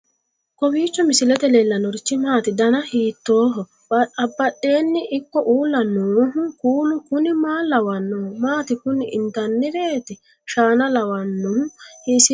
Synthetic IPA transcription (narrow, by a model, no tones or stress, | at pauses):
kɔbiːt͡ʃːɔmɪsɪlɛt̪ɛlelːɐnɔɾɪt͡ʃːɪmaːt̪ɪd̪ɐnɐhiːt̪ːo̞ːɦɔ | bɐɐbːɐɗːe̞ːnːɪʔɪkːɔʔuːlːɐnoːɦʊkuːlʊkʊnɪmaːlɐwɐnːomaːt̪ɪkʊnɪʔɪnt̪ɐnːɪbeːt̪ɪ | ʃaːnɐlɐwɐnːʊhʊhisɪ